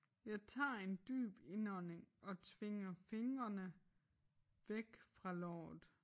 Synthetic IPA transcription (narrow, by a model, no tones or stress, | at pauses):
jɑ̈ɪt͡sʰɑ̰̈ːe̝nd̥y̰ːb̥e̝nɒne̝ŋɒ̽t͡sʰʋe̝ŋɐfe̝ŋɐnə | ʋeɡ̥fʁɑ̈lɒ̰ːð̩ˠ